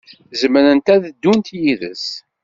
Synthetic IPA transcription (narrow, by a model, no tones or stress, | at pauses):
zəməɾənt̪æðd̪ːunt̪jiðə̰s